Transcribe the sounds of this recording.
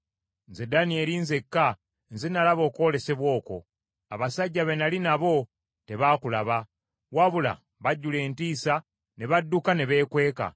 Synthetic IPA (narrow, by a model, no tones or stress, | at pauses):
nze̞danie̞linze̞kːa | nzenalaβo̞ːko̞ːle̞se̞βwo̞ːko̞̰ | aβasaɟːaβe̞nalinaβo̞ | te̞βaːkulaβa | waβula̰ | βaɟːule̞ːntiːsa | ne̞βadːukane̞βe̞ːkwe̞ːka̰